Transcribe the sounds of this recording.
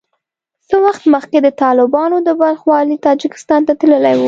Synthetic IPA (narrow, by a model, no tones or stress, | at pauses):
səwaxt̪məxked̪ət̪ɑlɪbɑnod̪əbalxwɑlit̪ɑd͡ʒɪkɪ̥st̪ɑnt̪at̪ləlajwu